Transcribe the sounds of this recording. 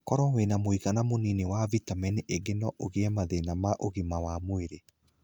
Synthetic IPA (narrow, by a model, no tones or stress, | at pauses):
kɔɾɔwenamoiɣanamoninewavitamɛniʔeɡenɔʔoɣeɛmaðenamaʔoɣimawamoeɾe